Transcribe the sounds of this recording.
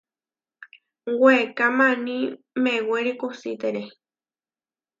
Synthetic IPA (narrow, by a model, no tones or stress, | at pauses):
wekamãnĩ | meweɾikusḭt̪eɾe